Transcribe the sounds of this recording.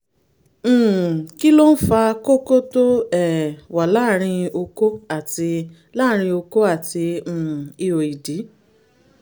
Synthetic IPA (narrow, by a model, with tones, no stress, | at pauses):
ki˦lo˦n̩˦fa˧ko˦ko˦to˦ɛ˦˨wa˨la˦ɾ̃ĩ˧o˧ko˦a˦˨ti˧ | la˦˨ɾ̃ĩ˧o˧ko˦a˦˨tĩ˧˨i˧o˨i˨di˨˦